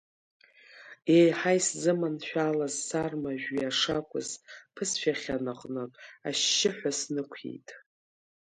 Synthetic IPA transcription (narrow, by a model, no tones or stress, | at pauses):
ejħajszɨmanʃᶣalazːarmaʒᶣiaʂakʷʰʊ̰zpʰɨsʃʲᶣaχʲanɨqʼnɨpʼa̰ʃːɪħᶣʷasnɨkʷʰḛjtʼ